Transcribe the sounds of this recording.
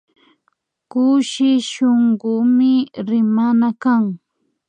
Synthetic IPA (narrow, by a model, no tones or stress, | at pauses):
kʊʃɪʃoŋɢʊmɪɾɪmanakaŋ